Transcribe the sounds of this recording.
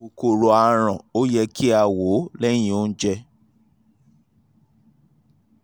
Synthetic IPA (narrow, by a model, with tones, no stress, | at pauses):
u˧ko˨ɾo˧a˧ɾ̃ã˨o˦jɛ˧ki˦a˧wo˨˦lɛ˦j̃ĩ˨o˦n̩˦d͡ʒɛ˧